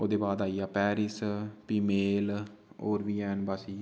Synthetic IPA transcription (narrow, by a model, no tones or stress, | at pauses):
oːd̪eːbaːd̪aːiːaːpɛːɾɪspiːmeːloːɾʋiːɛːnbaːsiː